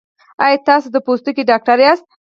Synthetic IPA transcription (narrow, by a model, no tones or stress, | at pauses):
ɑjt̪ɑsod̪əpost̪ukiɖɑk̚ʈaɾjɑst̪̚